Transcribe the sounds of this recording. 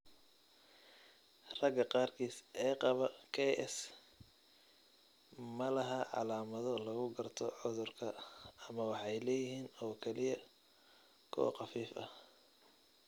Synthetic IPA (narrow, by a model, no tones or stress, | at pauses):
rɐɡɐqɑːrkʰiːsɛːqɑβɐkʰɛʔɛs | mɐlɐɦɐʕɑ̰laːmɐðɔlɐɣʊɡɐrt̪ʰɔʕʊðʊrkʰɐɐmɐwɑħɑjlɛːjɪɦiːnɔːkʰɛlɪjɐ | kʰɔ̰w̰qɑfiːfɐ